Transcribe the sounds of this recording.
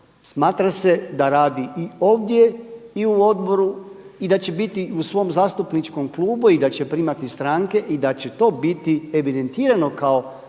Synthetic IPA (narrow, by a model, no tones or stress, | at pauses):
smaːt̪ɾase̞d̪aɾaːd̪iio̞ːʋd̪je̞iuo̞d̪bo̞ɾuid̪at͡ɕe̞bit̪iusʋo̞mzaːst̪upnit͡ʃko̞mklˠuːbuid̪at͡ɕe̞pɾiːmat̪ist̪ɾaŋke̞ʔid̪at͡ɕe̞t̪o̞ːbit̪ieʋid̪e̞nt̪iːɾano̞kao̞